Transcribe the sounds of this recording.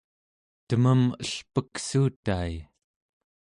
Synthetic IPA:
t̪əməməɬpəksuːt̪aːj

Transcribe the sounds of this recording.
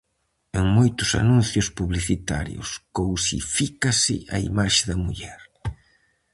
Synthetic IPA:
eŋmojt̪ʊsa̰nũnθjʊspuβliθit̪a̰ɾjʊ̰skowsḭfikasɪ̰ʔaḭmaʃɪðɐmuʎɛɾ

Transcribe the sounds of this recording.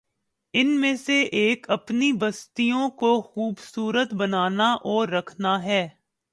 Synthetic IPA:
ɪnmẽseʔeːkɐpnibɐst̪ijõkoxuːbsuːɾət̪bɐnaːnaʔɔːɾɐkʰnaɦɛː

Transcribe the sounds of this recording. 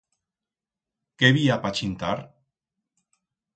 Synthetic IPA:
keβiapat͡ʃint̪aɾ

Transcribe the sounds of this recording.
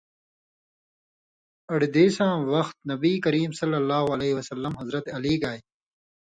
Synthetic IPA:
ɐɽd̪eːsãːwɐxt̪̚nɐbiːkɐɾiːmsɐlːɐlːaːɦuɐleːɦiwɐsɐlːɐmɦɐzɾɐt̪eɐliːɡaːj

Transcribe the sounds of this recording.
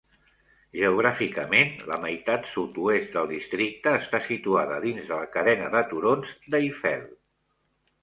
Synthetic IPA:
ʒəuɣɾafikəmenlə̰məjt̪at̪sut̪uest̪d̪əlˠd̪ist̪ɾik̚t̪əːst̪asit̪uaðəðinzðələkəðɛnəðət̪uɾonzd̪əifɛ̰l

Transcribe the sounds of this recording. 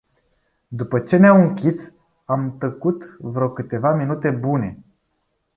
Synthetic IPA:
d̪upət͡ʃe̞neamɨŋkʲis | amt̪əkut̪vɾo̞kɨt̪e̞vaminut̪e̞bune̞

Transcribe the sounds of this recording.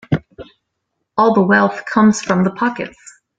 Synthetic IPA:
ɔlˠðəwɛlˠθkʰʌ̃mz̥fɹʌ̃mðəpʰɑkɨ̰ts

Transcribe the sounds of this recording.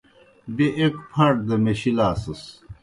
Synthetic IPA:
biʔekpʰɐɳʈ̚d̪ɐmeɕilaːsɐs

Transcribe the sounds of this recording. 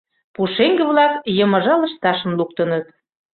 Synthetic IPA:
puʃeŋɡeβlɑkjəmɤ̆ʒɑlə̆ʃt̪ɑʃə̆mluk̚t̪ə̆nət̪̚

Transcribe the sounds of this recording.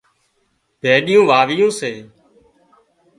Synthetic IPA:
b̥ʱeːɗɪjũːʋaːʋɪjõːseː

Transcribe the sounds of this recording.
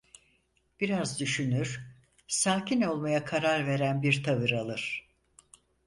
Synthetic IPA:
b̥iɾazd̪yʃynyɾ̥ | saːcʰino̞lˠmajakʰaɾaɾve̞ɾænbiɾt̪ʰavɯɾalˠɯɾ̥

